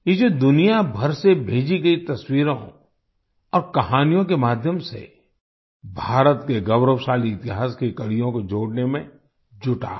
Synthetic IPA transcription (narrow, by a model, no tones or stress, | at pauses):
jed͡ʒod̪ʊnijabʱɐɾsebʱeːd͡ʒiɡɐit̪ɐswiːɾõ | ɔːɾkɐɦaːnijõk̬emaːd̪ʱjəmsḛ | bʱaːɾət̪keɡɐwɾəwʃaːliɪt̪ɪɦaːskekɐɽijõkod͡ʒoːɽnemẽ | d͡ʒʊʈa̰ː